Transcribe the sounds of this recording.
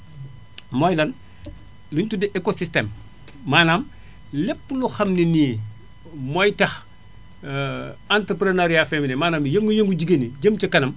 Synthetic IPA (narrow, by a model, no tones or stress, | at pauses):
mɔjlɐn | luɲtudiʔekosistem | maːnaːm | lepːluxɐmniniː | mɔjtɐx | antɾəpɾenaɾijafɛminemaːnamjɐŋɡujəŋɡuɟiɡeniɟəmt͡ʃɐkɐnɐm